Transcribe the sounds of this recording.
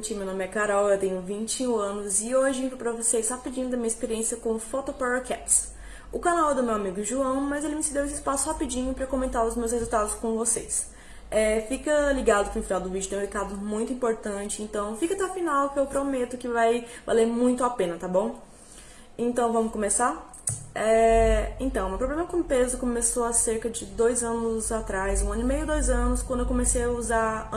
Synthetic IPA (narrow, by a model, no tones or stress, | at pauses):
t͡ʃĩmewnõmɪɛkaɾɔwewt̪ẽɲʊvĩnt͡ʃɪũɐ̃nʊzɪoʒɪĩɾpɾɐvosejshapid͡ʒĩɲʊd̪ɐmĩɲɐispeɾiẽsjɐkõfot̪opaɾokɛt͡ʃs | ʊkanawɛd̪ʊmewamiɡʊʒuɐ̃w̃mɐzelɪmɪsɪd̪ewesɪispasʊhapid͡ʒĩɲʊpɾɐkõmẽnt̪aɾʊzmewshezuwt̪ad̪ʊskõvosejs | ɛfikɐliɡad̪ʊkɪnʊfinawd̪ʊvid͡ʒʊt̪ẽj̃ũhekad̪ʊmũj̃t̪ʊĩmpoɾt̪ɐ̃t͡ʃɪẽnt̪ɐ̃w̃fikɐt̪ɛafinawkɪewpɾomet̪ʊkɪvajva̰leɾmũj̃t̪ʊapẽnɐt̪abõw̃ | ẽnt̪ɐ̃w̃vɐ̃mʊskõmesa | ɛẽnt̪ɐ̃w̃mewpɾoblẽmɐkõpezʊkomesoaseɾkɐd͡ʒɪd̪ojzɐ̃nʊzat̪ɾajzũɐ̃nʊimejʊd̪ojzɐ̃nʊskwɐ̃d̪ʊewkõmesejauza